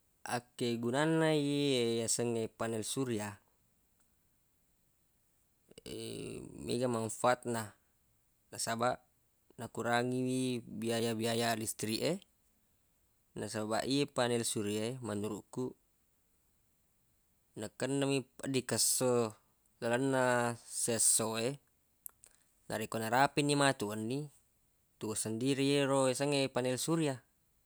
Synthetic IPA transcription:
ʔa̰kːeɡunanːaiejasəŋepanɛlsuɾia | ḛmḛɡamanfaat̪̚na | nasabaʔ | nakuɾaŋiwibiajabiajalist̪ɾiʔe | nasaba̰ʔiepanɛlsuɾiaemanuɾuʔku | nəkːənːamipaʔdikəsːo | lalanːasesːoe | nʔa̰ɾekoʔnaɾapinːimat̪uanːi | t̪uosandiɾieɾoesaŋepanɛlsuɾia

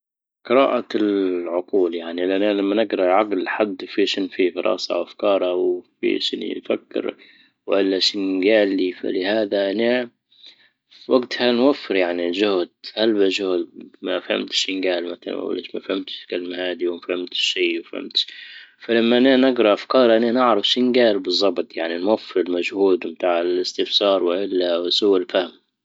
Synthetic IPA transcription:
qɨɾa̰ːʔalʕʊquːljaʕnilʔanalamːanɪɡɾˤɑʕaɡlħad̪ːfiʃɪnfifɑɾˤʔɑ̰ːsɑ̰wʔafkɑːɾˤɑwfḭʃɪnfa̰kːɪ̰ɾ | wʔɪlːaʃɪnɡaːlːifa̰lɪhaːðaʔna | waɡt̪hanwafːɪɾjaʕniʒʊhd̪̚halbaʒʊhd̪mafha̰mt̪ʃɪnɡaːlmaθala̰w̰lḛːʃmafhamt̪kalmahaːd̪iwmafhɪmt̪ʃːiːwafha̰mt̪ʃfalamːaʔananaɡɾˤɑʔafkɑːɾˤʔananɪʕɾɑfʃinɡaːlbɨzˤːɑbt̪ˤjaʕninwafːɪɾɪlmaʒhuːd̪mt̪aːʕɪlɪst̪ɪfsɑːɾˤwɪʔɪlːawɪsʊwɪlfahɪm

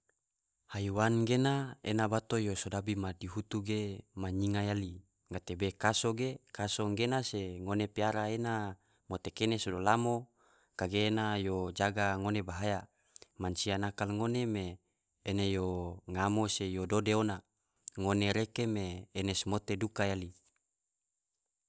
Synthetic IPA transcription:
hajwanɡenaḛnabat̪ojosodabimadiɦut̪uɡemaɲiŋajali | ŋat̪ebekasoɡekasoŋɡenaseŋonepiaɾaena | mot̪ekenesodolamo | kaɡeːnajod͡ʒaɡaŋonebaɦaja | mansianakalŋonemeː | nejoŋamosejododeona | ŋoneɾekemeːnesmot̪edukajali

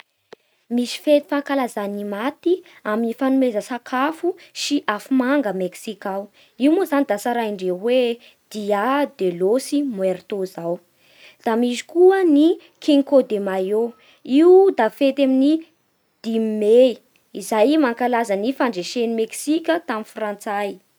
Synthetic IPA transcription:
misi̥fet̪i̥fakalazanimat̪iaminifanumezəsakʰafusiʔafumaŋɡəmeksikaw | iwmuzanid̪asaɾajiɳɖ͡ʐewe | d̪̥iad̪elosimueɾt̪ozaw | d̪̥amizi̥kuəni | kʰiŋkod̪emajo | iud̪afet̪amini | d̪̥immːei | izajmaŋkalazənifaɳɖ͡ʐeʃenimeksikʲət̪aminfrant͡saj

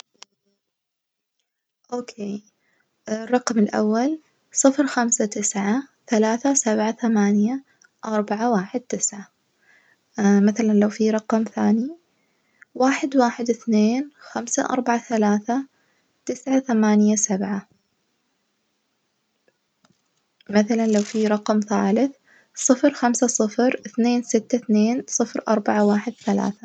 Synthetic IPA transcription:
ʔoːkʰeː | rˤːɑqmɪlʔa̰wːal | sˤɨfɾxamsat̪ɪsʕaθalaːθasabʕaθamaːnja | ʔɑɾˤbaʕawaːħɪd̪̚t̪ɪsʕa | maθalanlawfiɾˤɑqmθaːni | waːħɪd̪waːħɪd̪ɪθneːnxamsa̰ʔɑ̰ɾˤbaʕaθalaːθa | t̪ɪsʕaθamaːnjasabʕa | maθalanlawfiɾˤɑqmθaːlɪθ | sˤɨfɾxamsasˤɨfɾɪθneːnsɪt̪ːaθneːnsˤɨfɾʔɑ̰ɾˤbaʕawaːħɪd̪̚θala̰ːθa

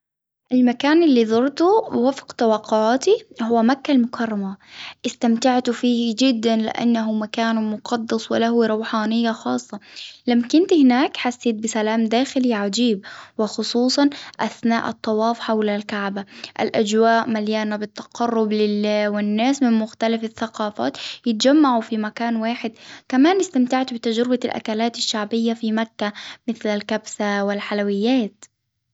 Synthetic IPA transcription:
ʔɪlmakaːnɪlːiːðˤʊɾˤt̪uwafqt̪awɑːqːʊʕaːt̪ihʊwːamakːalmʊkʰɑrˤːɑmaʔɪst̪amt̪aʕt̪ufiːhd͡ʒɪd̪ːanlɪ̰ʔa̰nːaɦʊmakaːnmʊqɑd̪ːɑsˤwɪ̰laɦuɾˤɑwħaːnɪjːaxɑːsˤːɑlamːakɪnt̪ihɪnaːkħasːeːt̪̚bɪsalaːmd̪aːxɪliʕad͡ʒiːb̚wɪxʊsˤuːsˤɑnʔaθna̰ːʔɨt̪ˤːɑwɑːfħawlalkaʕbaʔa̰lʔad͡ʒwaːʔmaljaːnabɪt̪ːɑ̥qɑrˤːʊblɪlːawɪnːaːsmɪnmʊxt̪alafɪθːaqɑːfa̰ːt̪jɪt̪̚d͡ʒamːaʕufimakaːnwaːħɪd̪kamaːnɪst̪amt̪aʕt̪bɪt̪ad͡ʒɾɪbalʔa̰kalaːt̪aʃːaʕbɪjːafimakːamɪθlalkabsawɪlħalawɪjːaːt̪

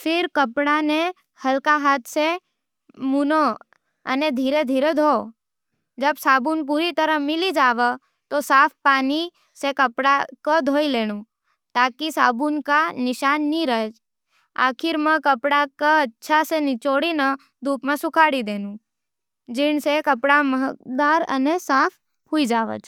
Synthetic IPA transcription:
fʰɪɾkəpɽane | həlkaɦat̪ʰse | muno | ə̰ned̪ʱiːɾed̪ʱiːɾed̪ʱo | d͡ʒəbsaːbunp̬uːɾit̪əɾəmɪlid͡ʒaːʋə | t̪osaːfpaːni | sekəpɽakəd̪ʱoːileːñũ | t̪aːkisaːbunkanɪʃaːnːiɾəe | a̰ːkʰɪɾməkəpɽakəətːʃʰasenit͡ʃoɽinə | d̪ʱuːpmãsʊkʰaːɽid̪eːnũ | d͡ʒɪɳsekəpɽaməɦəd̪aːɾə̰nesaːpʰ | ɦuid͡ʒaːʋə̰t͡ʃ

